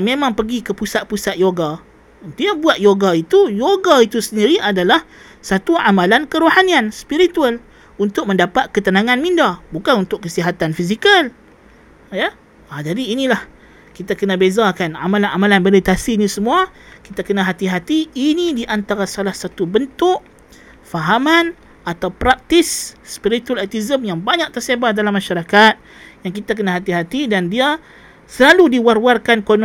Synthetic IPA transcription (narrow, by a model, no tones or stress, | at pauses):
mẽmãŋpəɡikəpusat̪̚pusat̪̚joɡa | ənt̪iabuat̪̚joɡait̪ujoɡait̪usəndiɾiʔadalah | sat̪uamalankəɾohanianspiɾit̪ual | unt̪ʊk̚məndapat̪̚kət̪ənaŋanmindabukanunt̪ʊʔkːəsiɦat̪anfizikal | jə | ad͡ʒadiːnilah | kit̪akənabezakana̰malanamalanmilit̪asiːnĩsəmuakit̪akənãɦat̪iɦat̪iːnidiʔant̪aɾasalahsat̪ubənt̪ʊʔ | faɦaman | at̪awpɾak̚t̪isːpiɾit̪ualat̪izəmjaŋbaɲãʔ̚t̪ərsebahdalamːaʃaɾakat̪̚ | jaŋk̬it̪ak̬ənaɦat̪iɦat̪idandia | səlaludiwarwarkankon